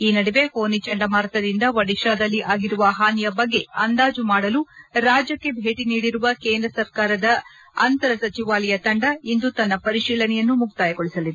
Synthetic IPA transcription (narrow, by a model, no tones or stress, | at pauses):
iːnɐɽiʋe̞hoːnit͡ʃɐɳɖɐmaːɾɐt̪ɐd̪ind̪ɐʋɐɽiʃaːd̪ɐlːiʔaːɡiɾuʋɐɦaːnijɐbɐɡːe̞ɐnd̪aːd͡ʒumaːɽɐluɾaːd͡ʒjɐkːe̞bʱe̞ːʈiniːɽiɾuʋɐkeːnd̪ɾɐsɐɾkaːɾɐd̪ɐ | ɐnt̪ɐɾɐsɐt͡ʃiʋaːlɐjɐt̪ɐɳɖɐind̪ut̪ɐnːɐpɐɾiʃiːlɐnɛjɐnːumuɡ̚t̪aːjɐɡoɭisɐlid̪